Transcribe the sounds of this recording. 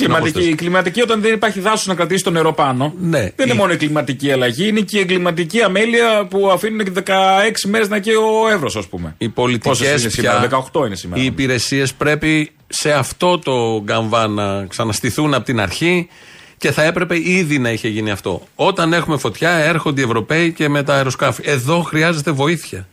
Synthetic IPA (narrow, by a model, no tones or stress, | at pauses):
limɐt̪iiklimɐt̪icio̞t̪ɐnðenipɐɾçiðɐsuznɐkɾɐt̪isi̥st̪oneɾo̞pɐno̞ne̞ðeninemo̞noiɡlimɐt̪iciɐlɐʝiine̞cieŋɡlimɐt̪̬iciɐme̞liɐpuɐfinuneðe̞kɐe̞ksimeɾe̞znɐceoe̞vɾosɐspume̞̰ipo̞lit̪iosessieɐðekɐoxt̪o̞inesimeiːpiɾe̞sie̞spɾe̞pi | se̞ɐft̪o̞t̪o̞ɡɐɱvɐnɐksɐnɐst̪iθunɐpot̪inɐ̰ɾçi | ce̞θɐe̞pɾe̞pe̞iðinɐiçe̞ʝiniɐft̪o̞̰ | o̞t̪ɐne̞xume̞fo̞t̪çɐe̞ɾxond̪ie̞vɾo̞pe̞ice̞me̞t̪ɐjɾo̞skɐfie̞ðo̞xɾiɐze̞t̪e̞vo̞iθçɐ